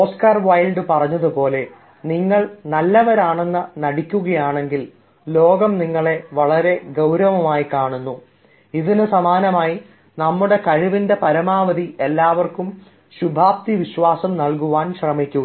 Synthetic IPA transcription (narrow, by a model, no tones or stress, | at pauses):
oːskaːrʋɐjlɖɨpɐrɐɲːɐðupo̞ːle̞ | niŋːɐɭnɐlːɐʋɐɾaːɳe̞nːɐnɐɽikʲːuɣɐjaːɳe̞ŋɡil | lo̞ːɡɐmniŋːɐɭe̞ʋɐɭɐɾe̞ɡɐwɾɐʋɐmaːjikaːɳunːu | iðinɨsɐmaːnɐmaːji | nɐmːuɽe̞kɐɻiʋinde̞pɐɾɐmaːʋɐðiʔelːaːʋɐrkum | ɕubʱaːp̚t̪iʋiɕʋaːsɐmnɐlkuʋaːnɕrɐmikʲːuɣɐ